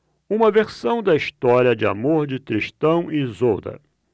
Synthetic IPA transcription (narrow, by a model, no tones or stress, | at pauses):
ũmɐveɾsɐ̃w̃d̪ɐiʃt̪ɔɾiɐd͡ʒɪa̰moɾd͡ʒɪt̪ɾiʃt̪ɐ̃w̃ɪzowd̪ɐ̰